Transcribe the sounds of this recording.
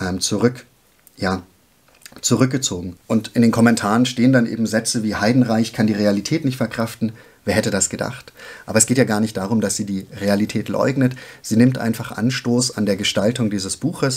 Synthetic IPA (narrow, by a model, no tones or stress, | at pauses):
ʔɛːmt͡suʁʏk | jaː | t͡suʁʏk̚ɡ̥ət͡soːɡŋ̩ʔʊntʔɪndeːnkʰɔmɛntʰaːʁənʃteːəndanʔḛːbm̩zɛt͡səviːhaɪdn̩ʁaɪçkʰandiːʁealitʰɛːtnɪçtfɛɐkʁ̥aftn̩ | veːɐhɛtədasɡ̥əda̰χtʔaːbɐɛsɡ̥eːtjaːɡaːɐnɪçtd̥aːʁ̞ʊmd̥asz̥iːdiːʁealitʰɛːtlɔ̰ʏɡnətz̥iːnɪmtʔa̰ɪnfaχʔa̰nʃtoːsa̰ndeːɐɡəʃtaltʊŋdiːzəsb̥uːxəs